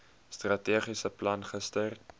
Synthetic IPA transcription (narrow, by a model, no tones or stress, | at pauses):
strɐtiəχisəplɐnχəstər